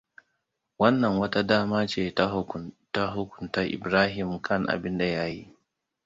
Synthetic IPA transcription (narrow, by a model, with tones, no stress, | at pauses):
wɐ˦nːɐ˨ŋwɐ˦ta˦daː˦maː˦t͡ʃeː˨ta˦˨ta˦ɦʊ˦kʷʊ̥˨ntaː˦ʔɪ̰˨bɾaː˦ɦɪ˨mkʰɐ˦ŋʔa̰˨bɪ˦nda˨ja˦ji˦ʔ